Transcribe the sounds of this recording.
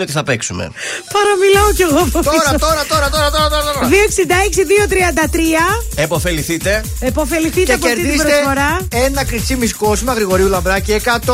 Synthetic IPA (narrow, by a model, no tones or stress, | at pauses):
ot̪iθɐpeksumḛ | pɐɾɐmilɐoce̞ɣoepoft̪isɾɐt̪o̞ɾɐt̪o̞ɾɐt̪o̞ɾɐt̪oɾɐt̪oɾɐt̪oðioeksind̪ɐeksiðiot̪ɾiɐnd̪ɐt̪ɾiɐepo̞fe̞liθit̪e̞ | epo̞feliθiteɐp̬eoɾiðismɾoeffo̞ɾɐe̞nɐkɾit͡simisko̞simɐɣɾiɣo̞ɾiulɐmbɾɐciekɐt̪o